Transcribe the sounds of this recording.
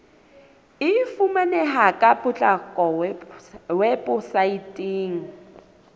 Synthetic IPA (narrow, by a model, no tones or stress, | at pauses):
ɪfumanɛɦakʼapʊt͡ɬʼakʼɔ | wɛpʼʊsaitʼiːŋ̩